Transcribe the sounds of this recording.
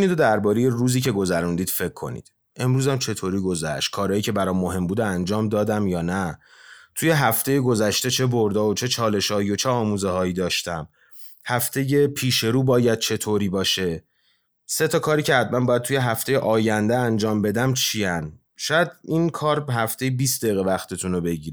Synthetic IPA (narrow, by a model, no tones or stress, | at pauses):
niːd̪o̞d̪æɾbɒːɾe̞je̞ruːziːce̞ɡo̞zæɾund̪iːd̪fe̞kʰːo̞̰nḭːd̪̥ | ʔe̞mɾuːzæmt͡ʃʰe̞t̪ʰoːɾiːɡo̞zæ̰ʃt̪̚kʰɒːɾɒːjiːcʰe̞bæɾɒːmːoɦe̞mbuːd̪eænd͡ʒɒːmd̪ɒːd̪æmjɒːnæ | t̪ʰuːje̞ɦæft̪ʰe̞je̞ɡo̞zæʃt̪e̞t͡ʃʰe̞boɾd̪ɒːot͡ʃʰe̞t͡ʃʰɒːle̞ʃɒːhiot͡ʃʰeɒːmuːzehɒːiːd̪ɒːʃt̪æm | hæft̪ʰe̞je̞pʰiːʃe̞ɾuːbɒːjæd̪̥̚t͡ʃʰe̞t̪ʰoːɾiːbɒːʃe̞ | se̞t̪ʰɒkʰɒːɾiːcʰeæd̪mænbɒːjæd̪̚t̪ʰuje̞ɦæft̪ʰe̞jeʔɒːjænd̪eænd͡ʒɒːmbe̞d̪æmt͡ʃʰiæn | ʃɒːjæd̪inkʰɒːɾɦæft̪e̞jebiːsd̪ejɣevæxt̪ʰe̞t̪ʰunobe̞ɟiːɾ